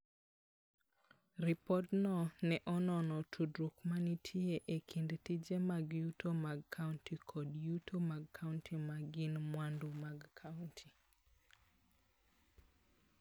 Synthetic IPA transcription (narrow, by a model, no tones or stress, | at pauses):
ɾipɔtnɔnɛʔɔnɔnɔtʰudɾukmanitʰieʔekʰindtid͡ʒemaɡjutomaɡkʰauntikʰɔdjutʰomaɡ̚kʰauntʰimaɡɪnmwandumaɡkʰauntʰi